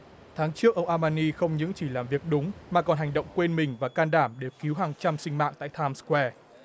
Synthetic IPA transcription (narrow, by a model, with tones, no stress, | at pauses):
t̪ʰaː˨˦ŋt͡ɕɨ˦˥ək̚ʔə˧wŋ͡mʔaː˧maː˧ni˧xə˧wŋ͡mɲɨ̰˧˥ŋt͡ɕi˧˩laː˨˩mvi˨˩ək̚ɗʊ˨˦ŋ͡mmaː˨˩kɔ˨˩nɦa˨˩jŋ̟ɗə̰˧˨wŋ͡mkwe˧nmï˨˩ŋ̟vaː˨˩kaː˧nɗaː˧˩mɗe˨˩wki˨˦wɦaː˨˩ŋt͡ɕa˧msï˧ŋ̟ma̰ː˧˨ŋt̪a̰ː˧˨jt̪ʰaː˧mskwɛ˧